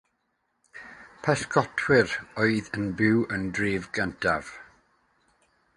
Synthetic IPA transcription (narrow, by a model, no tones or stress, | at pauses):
pʰɛskʰɔtʰwɪrɔɨðənbɪwəndriːvɡəntʰav̥